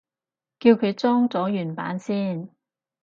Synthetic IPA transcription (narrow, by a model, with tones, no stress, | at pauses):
kiː˧wkʰɵ˨˧ɥt͡sɔː˥ŋt͡sɔː˨˥jyː˨˩npa̰ː˨˥nsiː˥˩n